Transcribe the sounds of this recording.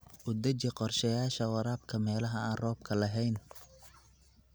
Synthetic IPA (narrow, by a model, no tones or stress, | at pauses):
ʔʊd̪ɐt͡ʃɛqɔrʃɐjaːʃɐwɑɾaːb̚kʰɐmɛːlɐɦɐaːnrɔːb̚kʰɐlɐɦɛjn